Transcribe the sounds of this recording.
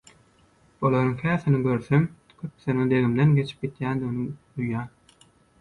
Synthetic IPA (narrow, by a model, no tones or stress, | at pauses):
olˠoɾuŋhæːθiniɡø̞ɾθem | kʰøpːθened̪e̞ɣimd̪enɡe̞t͡ʃʰi̥p̚ɡit̪jæːnd̪iɣinid̪ujːɑː